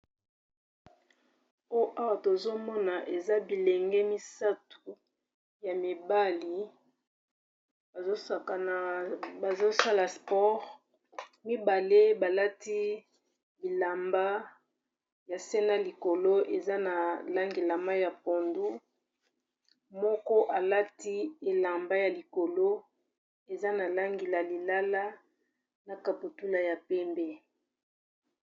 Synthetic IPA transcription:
o˦ʔa˦wa˨to˨zo˦mɔ˦na˨ʔe˨za˦bi˨le˨ŋɡɛ˦mi˦sa˦tu̥˨ | ja˨mi˨ba˦li˨ | ba˨zo˦a˨ka˨n˨ba˨zo˦sa˦la˨spɔ˦ʁ | mi˦ba˨le˦ba˨la˦ti˦ | bi˨la˨mba˦ | ja˨sɛ˦na˦li˨ko˨lo˦ʔe˨za˦na˨la˦ŋɡe˨la˨ma˦ja˨po˨ndu˦ | mɔ˦kɔ˦ʔa˨la˦ti˦e˨la˨mba˦ja˨li˨ko˨lo˦ | e˨za˦na˨la˦ŋɡe˨la˨li˨la˦la˦ | na˨ka˨pu˨tu˦la˨ja˨pɛ˦mbɛ˦

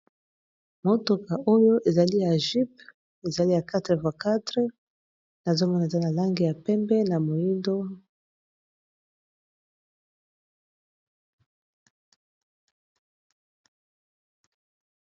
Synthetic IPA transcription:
mo˦to˨ka˨ʔo˦jo˦ʔe˨za˨li˦ja˨ʒi˦pp̚ | e˨za˨li˦ja˨ka˦tʁe˨vwa˨ka˦tʁə˦ | na˨zo˦mɔ˦na˨e˨za˦na˨la˦ŋɡi˨ja˨pɛ˦mbɛ˦na˨mo˨i˦ndo˦

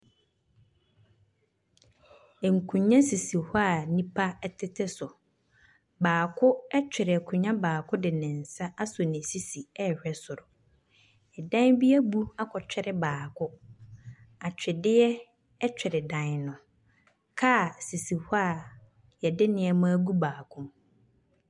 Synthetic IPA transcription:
ɛ˨ŋ̩˨kʰũ˨ɲã˦si˨si˨hʊ˦a˨nĩ˦pʰa˦˨tʰɪ˦tʰɪ˦sʊ˨ | baː˨kʰʊ˦ɛ˦t͡ɕᶣɪ˨ɾɪ˨a˨kʰu˨ɲã˦baː˨kʰʊ˦dɪ˨nɪ̃˨n̩˨sa˦ʔa˦sʊ˨nɪ̃˨si˦si˨ɛ˦˨hᶣɛ˦sʊ˨ɾʊ˨ | ɛ˨dã˦n˦bi˦æ˦bu˦a˦kʰɔ˨t͡ɕᶣɪ˦ɾɪ˦baː˨kʰʊ˦ | a˨t͡ɕᶣɪ˨dɪ˦ɛ˦ | ɛ˦t͡ɕᶣɪ˨ɾɪ˨dã˨nnʊ̃˨ | kʰa˦˨si˨si˨hʊ˦a˨ | jɛ˨dɪ˦nɪ̃˨ɛ˨mãː˦ɡu˦baː˨kʰʊ̃˦m

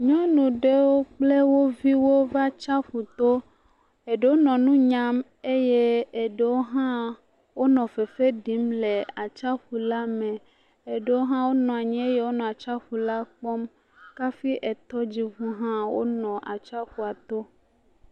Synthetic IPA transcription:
ɲɔ̃˦nũ˨ɖe˦wo˦k͡ple˦wo˦vi˦wo˦va˦t͡ʃa˦ɸu˨t̪o˦ | e˨ɖe˨wo˦nɔ̃˨nũ˦ɲã˦m | e˦je˦e˨ɖe˨wo˦ɦã˦ | wo˦nɔ̃˨fe˨fe˦ɖi˨˦mle˨a˨t͡ʃa˦ɸu˨la˦mẽ˨ | e˨ɖe˨wo˦ɦã˦wo˦nɔ̃˨a˨ɲɛ̃˦e˦je˦wo˦nɔ̃˨a˨t͡ʃa˦ɸu˨la˦k͡pɔ˦m | ka˦fi˦ʔɛ˨t̪ɔ˦d͡ʑi˦vũ˦ɦã˦wo̰˦nɔ̃˨ʔa˨t͡ʃa˦ɸu˨a˨t̪o˦

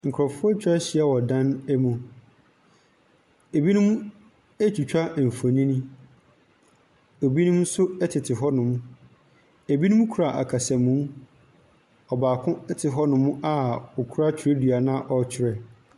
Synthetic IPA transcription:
ŋ̩˨kʰɾɔ˨fʊ˦ɔ˦t͡ɕᶣʰɛ˦ɕiɪ˨˦ɛ˦wɔ˨dã˦nɛ˦mũ˨ | e˨bi˦nʊ̃˦m˦ | e˦t͡ɕʰᶣu˨t͡ɕᶣa˦˨fo˨ɲĩ˦nĩ˦ | o˨bi˦nʊ̃˦m̩˦sʊ˦ɛ˦tʰɪ˨tʰɪ˨ɦɔ˦nʊ̃˨˦m̃˦ | e˨bi˦nʊ̃˦m˦kʰu˨ɾa˨ʔa̰˨kʰa˨sɛ̃˨mːũ˨˦ | ɔ˨baː˨kʰʊ̃˦ɛ˦tʰɪ˨ɦɔ˦nʊ̃˨˦mũ˦ʔa˦ʊ˨kʰu˦ɾa˦t͡ɕʰᶣɪ˨ɾe˦dɥa˨nã˦ʔɔ˨t͡ɕʰɪ˨ɾɛ˨

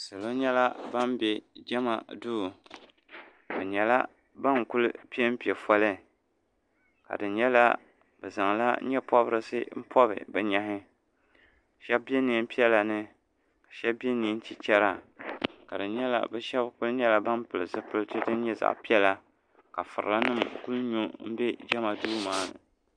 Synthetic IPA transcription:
sɨ˨lo˦ɲɛ˦la˦ba˦mbe˨d͡ʒɛ˦ma̰˨du˦˨ | bɛ˨ɲɛ˨la˦ | ba˦ŋku˦l̰pi˦ɛ˦m̩˦pi˨ɛ˨fɔ˦lɨ˦ | ka̰˨dɨ˨ɲɛ˦la˦ | b̥ɛ˨za˨ŋla̰˦ɲɛ˦pɔ˦bɾɨ˦sɨ˦m̩˦pʰɔ˦bɨ̰˨bɛ˨ɲa˦ɦɪ˦ | ʃɛ˦bbe˦ni˨˦m̩˦pi˦ɛ˦la˨nɨ˦ | kḁ˨ʃɛ˦bbi˦e˦ni˨˦n̩˦t͡ʃi˨t͡ʃɛ˦ɾa˨ka˨dɨ˨ɲɛ˦la̰˨bɛ˦ʃɛ˦bkʊ˦lɲɛ˦la˦ba˦mpɨ˨lɨ˨zɨ˦pɨ˦ltɨ˦dɨ˦n̩˦ɲɛ˦za̰˨ʔpi˦ɛ˦la˦ | ka˨fɨ̰˨ɾla˦nɨ˦˨mku˦lɲu˦m̩˦bɛ˦d͡ʒɛ˦ma˨duː˦maː˦nɨ̰˨

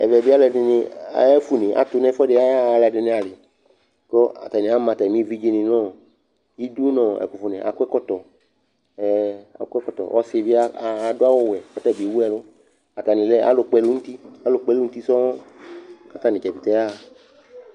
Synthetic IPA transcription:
ɛ̰˨vɛ˨bi˦a˦lɛ˧˨dɪ˧nɪ˧a˨ɛ˦fu˨nɪ̃˨ʔa̰˨t̪ʊ˧nɛ̃˦fɔ˦dɪ˧˦a˦˨˧la˧dɪ˧nɪ̃˧a˨lɪ˨ | kɔ˦a̰˨ta˨nĩ˨a˨˦mã˨t̪a˨mĩ˦vi˦d͡ʒi˧nɪ̃˨nɔ̃˦ | i˦du˦nɔ̃˦˨ɛ̰˨ku˨fu˨nɛ̃˨ʔa̰˨kʷɛ˦kɔ˦t̪ɔ˨ | ɛ˨a̰˨˦kʷɛ˦kɔ˦t̪ɔ̰˨ʔɔ˦sɪ˧˨vi˦a˦˨dʊ˦a˦wɔ˦wɛ˨kɔ˦tɛ˦˨bi˨wu˦ɛ˨lʊ˦ | a˨t̪a˨nɪ̃˨lɛ˦a̰˦lo˨k͡pɛ˧lu˦ŋũ˦t̪i˦a˦lo˨k͡pɛ˧lu˦n̩˦t̪i˦sɔ˦ɔ˦ka˦t̪a˦˨nĩ˨t͡ʃɛ˨bi˨t̪ɛ˦a˦˨

